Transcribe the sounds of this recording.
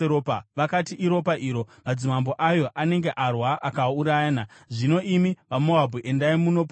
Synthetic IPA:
eɾopaʋakatiʔiɾo̞paʔiɾo̞mad͡zimambo̞ʔajo̞ʔane̞ŋɡeʔarwaʔakauɾajaːnaʐino̞ʔimiʋamo̞abʱuʔe̞ndaimuno̞p

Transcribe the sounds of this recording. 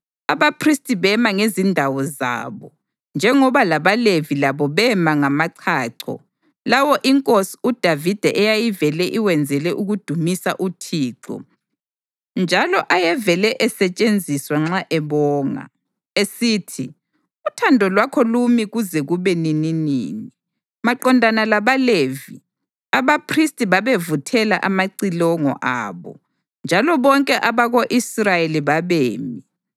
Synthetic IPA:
aβapʰristʼiβɛmaŋezindʱawɔza̰βɔ | nd͡ʒʱɛŋɔβalaβalevilaβɔβɛmaŋamaǀʰaːǀʰɔ̰ | lawɔʔiŋkʼosi̥ud̥ʱavid̥ʱɛʔɛjajivɛlɛʔiwɛnd͡zʱɛlɛʔuɣud̥ʱumisa̰ʔutʰiːǁɔ̰ | nd͡ʒʱalɔʔajɛvɛlɛʔɛsɛt͡ʃʼend͡zʱiswaŋ͡ǁaʔɛβɔːŋa̰ | esiːtʰi | utʰandʱɔlwakʰɔlumiɣuzɛɣuβɛnininḭːni | maǃɔndʱanalaβalevi | aβapʰristʼiβaβevutʰɛla̰ʔamaǀilɔŋɔ̰ʔa̰ːβɔ̰ | nd͡ʒʱalɔβɔŋkʼɛʔaβaɣoʔisrajeliβaβeːmi

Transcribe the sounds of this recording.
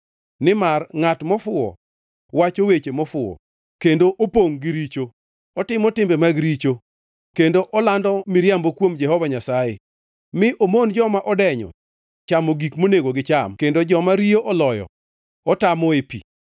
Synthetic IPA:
nɪmarŋatmɔfʊɔ̰ | wat͡ʃowet͡ʃemɔfʊɔ̰ | kendoʔopoŋɡɪɾit͡ʃo | ɔtɪmɔtɪmbemaɡɾit͡ʃo | kendoʔɔlandɔmiɾjambokwomd͡ʒɛhɔvaɲasaje | mɪʔomond͡ʒɔmaʔɔdɛɲɔ̰ | t͡ʃamoɡikmoneɡoɡɪt͡ʃamkendod͡ʒɔmaɾijoʔɔlɔjɔ̰ | ɔtamɔepḭ

